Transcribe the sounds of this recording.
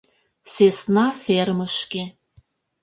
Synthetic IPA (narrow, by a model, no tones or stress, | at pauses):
sesnɑfermə̆ʃke